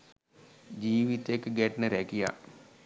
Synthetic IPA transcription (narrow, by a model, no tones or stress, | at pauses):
d͡ʒiːʋit̪ekɡɛʈnəɾɛkija̰